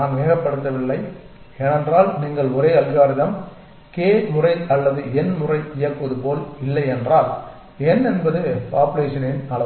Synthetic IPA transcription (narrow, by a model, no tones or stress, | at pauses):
aːnʋeːɣɐpːɐɽɯt̪ːɐʋɪɭːɐɪ | ɛnɛndraːlniːŋɡɐɭɔɾeːɐðɪɣaːɾɪðɐm | keːmʊrɐɪɐlːɐðɯɛnmʊrɐɪɪjɐkːɯʋɐðɯpoːlɪlːɐɪɛndraːl | ɛnɛnbɐðɯpaːpɯleːʂɐnɪnɐlɐ